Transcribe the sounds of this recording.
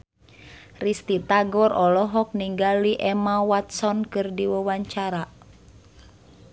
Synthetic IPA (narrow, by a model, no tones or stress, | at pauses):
rist̪it̪aɡɔrɔlɔɦɔk̚niŋɡaliʔɛmawat̪̚sɔnkɨrdiwəwaɲt͡ʃaɾa